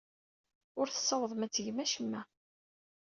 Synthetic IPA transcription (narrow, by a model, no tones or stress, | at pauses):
ʊɾθə̥sːəwðˤmæt͡sːəʝmæʃəmːæ